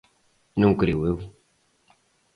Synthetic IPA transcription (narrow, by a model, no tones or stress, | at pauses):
nɐ̃w̃kɾiuew